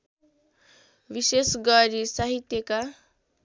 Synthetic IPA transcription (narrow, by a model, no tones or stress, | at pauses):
ʋiɕesɡaɾisaɦit̪jeka